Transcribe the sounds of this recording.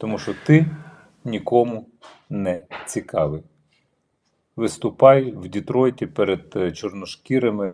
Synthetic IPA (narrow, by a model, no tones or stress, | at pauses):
t̪ɔmuʃt͡ʃɔt̪ɪ | nʲikɔmʊ | nɛt͡sʲikɑʋɪj | ʋɪst̪ʊpɑjwdʲit̪ɾɔjtʲipeɾed̪t͡ʃɔrnɔʃkʲiɾɐmɪ